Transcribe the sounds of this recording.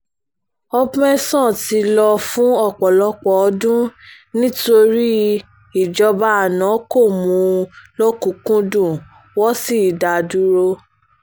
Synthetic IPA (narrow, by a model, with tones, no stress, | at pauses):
ɔ˦pɛ˦sɔ̃˦˨ti˧lɔ˧fũ˦ɔ˦˨k͡pɔ˨lɔ˧k͡pɔ˨ɔ˧dũ˦ | nĩ˦to˧ɾi˦ | i˦˨d͡ʒɔ˧ba˦a˨nã˨˦ko˦˨mũ˨˧˦lo˦kũ˨˦kũ˦dũ˦˨ | wɔ˦si˦i˨da˨du˦ɾo˧